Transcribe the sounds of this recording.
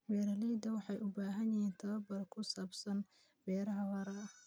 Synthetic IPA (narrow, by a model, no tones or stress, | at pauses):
bɛːɾɐliːd̪ɐwɑħɑjʊbaːɦɐnjɐjɛːnt̪ʰɐβɐbɐrkʰʊsaːbsɐn | bɛːɾɐɦɐwɐɾɐ